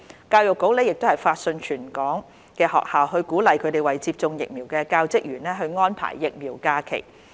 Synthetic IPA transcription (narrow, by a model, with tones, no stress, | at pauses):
kaː˧wjʊ˨kːo˨˥wlɛː˥jɪ˨k̚t̪o˥hɐ˨jfaː˧t̚sɵ˧nt͡ʃʰyː˨˩nkɔː˨˥ŋ | kɛː˧hɔ̰ː˨k̚haː˨wɦɵ˧kuː˨˥lɐ˨jkʰɵ˨˧t̪e˨˩jwɐ˨jt͡siː˧p̚t͡sʊ˧ŋjɪ̰˨k̚mi˨˩wkɛː˧kaː˧wt͡sɪ˥k̚jyː˨˩nlɛː˥ɦɵ˧ɥŋɔː˥npʰa̰ː˨˩jːɪ˨k̚miː˨˩wkaː˧kʰḛ˨˩j